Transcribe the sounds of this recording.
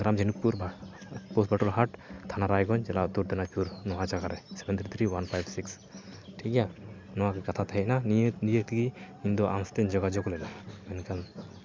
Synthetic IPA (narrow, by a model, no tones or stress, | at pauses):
ɡɾamd͡ʒenukːuɾbpɔsbaʈɔlɦaʈt̪ʰanaɾajɡɔɲd͡ʒɛlad̪uʈ̚d̪ɛnat͡ʃuɾnɔɦad͡ʒaɡaɾɛsɛbɛnt̪ʰɾit̪ʰɾiwanpʰajbsiks | ʈʰikɛjanɔwakɛkat̪ʰat̪aɦɛʔ̚nannijək̚t̪ʰiɡi | ind̪ɔʔamst̪ɛɲd͡ʒɔɡad͡ʒɔɡɔlɛnaɛnkan